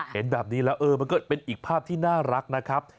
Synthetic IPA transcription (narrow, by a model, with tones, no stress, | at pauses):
he˩˦nbɛː˨˩p̚niː˦˥lɛː˦˥wʔɤː˧ma˧nkɔː˥˩pe˧nʔiː˨˩k̚pʰaː˥˩p̚t̪ʰiː˥˩naː˥˩ɾa˦˥k̚na˦˥kʰɾa˦˥p̚